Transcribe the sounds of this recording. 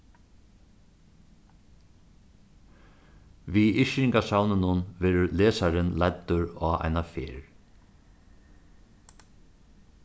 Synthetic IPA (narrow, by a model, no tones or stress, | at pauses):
ʋiɪʃɪŋkasawnɪnʊnʋɛːɾʊleːsaɾɪnlɛt̪ːʊɹɔːa̰jnafḛːɹ